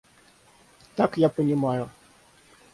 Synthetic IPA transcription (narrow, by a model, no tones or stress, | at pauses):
t̪akjapənʲɪmajʊ